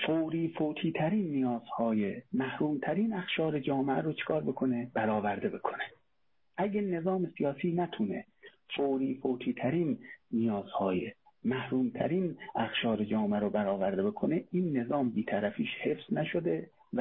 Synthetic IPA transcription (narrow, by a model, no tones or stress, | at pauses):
foːwɾiːfoːt̪ʰiːt̪ʰæɾiːnːijɒːz̥hɒːjemæhɾuːmt̪ʰæɾiːnæxʃɒːɾed͡ʒɒːmeʔæɾot͡ʃʰe̥kʰɒːɾbe̞kʰoneb̥æɾɒːvæɾd̪e̞be̞kʰo̥ne | ʔæɡene̞zɒːmesijɒːsiːnæt̪ʰunḛ | foːɾiːfoːt̪ʰiːt̪ʰæɾiːnːijɒːz̥hɒːjḛ | mæhɾuːmt̪ʰæ̰ɾiːnæxʃɒːɾed͡ʒɒːmeæɾobæɾɒːvæɾd̪ebe̞kʰoneiːnːe̞zɒːmbiːt̪ʰæɾæfiːʃhe̞fz̥næʃod̪e